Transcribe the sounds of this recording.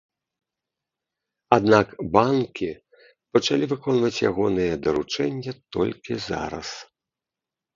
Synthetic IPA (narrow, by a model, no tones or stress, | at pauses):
ad̪nakbankʲi | pɐt͡ʂalʲivɨkɔnvɐt͡sʲja̰ɣɔnɨjɛd̪ɐɾut͡ʂɛnʲːɐt̪ɔ̰lʲkʲiza̰ɾɐ̰s